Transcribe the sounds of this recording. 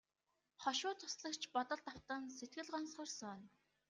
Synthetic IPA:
χɔʃʊːt̪ʰʊ̥sɮə̆kt͡ɕʰpɔt̪ɞ̆ɮt̪aw̥t̪ə̆nset̪̚ɡɘ̆ɮɢɔnsʊrsɔn

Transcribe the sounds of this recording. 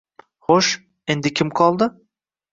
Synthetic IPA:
χoʃ | end̪ɪkʲʰɪmqʰɒlˠd̪ə

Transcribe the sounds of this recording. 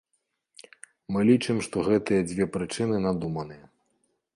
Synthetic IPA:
mɨlʲit͡ʂɨmʂt̪ɔɣɛt̪ɨjɐd͡zʲvʲɛpɾɨt͡ʂɨnɨnad̪umɐnɨjɐ

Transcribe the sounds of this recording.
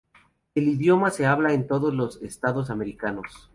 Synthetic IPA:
eliðjo̞mase̞aβlaent̪o̞ðozlo̞sest̪aðo̞s̬ame̞ɾikano̞s

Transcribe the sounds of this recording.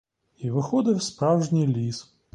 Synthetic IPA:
iʋɪxɔd̪ɪwspɾɑwʒnʲijlʲis

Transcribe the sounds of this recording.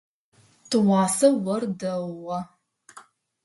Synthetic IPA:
tʰɨwɑːsɐwɐrdɐwɐ

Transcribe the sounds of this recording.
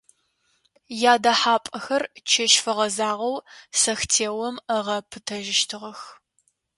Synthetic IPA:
jaːdɐħaːpʼɐxɐrt͡ʃʰɐʃfɐʁɐzaːʁɐwsɐxtʰeːwɔməʁɐpʰɨtʰɐʒɪʃtʰɨʁɐx

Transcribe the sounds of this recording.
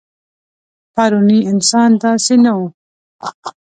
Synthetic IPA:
paɾuniɪnsɑːnd̪asina

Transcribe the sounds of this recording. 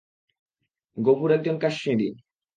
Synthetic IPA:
ɡopuɾɛk̚d͡ʑonkaʃːidi

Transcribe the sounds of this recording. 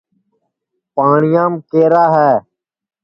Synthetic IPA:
paːɳɪjãːmkeːɾaːɦɛː

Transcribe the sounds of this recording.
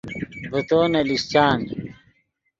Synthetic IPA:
but̪oːnɐlist͡ɕaːn

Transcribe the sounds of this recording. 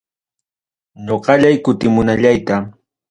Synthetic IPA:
ɲoqɑʎajkʊt̪ɪmʊnaʎajt̪a

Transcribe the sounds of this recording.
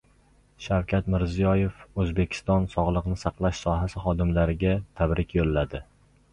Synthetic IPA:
ʃawkʲʰat̪mɪɾzijɒje̞fɵzbe̞kʲʰɪ̥st̪ɒnsɒʁlˠɨqnɪsɑqlˠaʃsɒɦasɪχɒd̪ɪmlaɾɪɡʲat̪ʰabɾɪkʲʰjolːad̪ɪ

